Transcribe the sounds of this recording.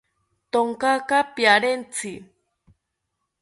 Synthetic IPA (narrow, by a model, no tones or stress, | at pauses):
t̪oŋkakapjaɾent͡sʰi